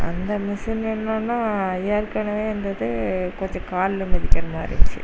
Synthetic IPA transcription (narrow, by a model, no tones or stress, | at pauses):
ɐ̰nd̪ɐmɪʂɪnɛnːaːnːaːeːɾkɐɳɐʋeːɛnd̪ɐðɯkɔɲd͡ʒɐ̃kaːllɯmɐðɪkʲːɐɾɐmaːɪɾɪ̰t͡ʃːɯ̰